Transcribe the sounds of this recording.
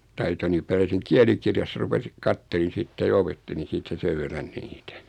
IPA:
tɑitoni pærjæsiŋ kiælikirjɑsːɑ rupesi kɑtːelin̞ sitːe jɑ opetːelin̞ siːtˑæ seʋ ʋerːɑn niːtæ

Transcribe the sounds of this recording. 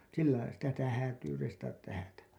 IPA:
silːɑilɑ sitæ sitæ hæːtyː reistɑtɑt tæhætæ

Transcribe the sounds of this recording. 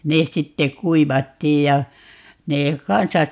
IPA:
nes sitːe kuiʋɑtːiːj jɑ neː kɑnsɑs

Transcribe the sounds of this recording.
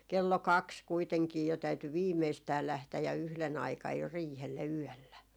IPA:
kelːo kɑks kuiteŋkiː jo tæyty ʋiːmeistæː læhtæj jɑ yhlen ɑikɑj jo riːhelːe yœˑlːæ

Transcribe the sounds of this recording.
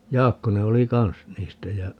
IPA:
jɑːkːone oli kɑns niːstæ jæ

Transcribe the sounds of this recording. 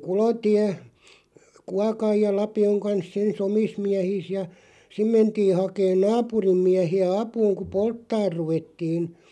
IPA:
kulotiæ kuɑkɑj jɑ lɑpioŋ kɑnsˑ ens omis miæhiːs jɑ sim mentiː hɑkeːn nɑːpurim miæhiæ ɑpuːŋ ku poltːɑːr ruʋetːiːn

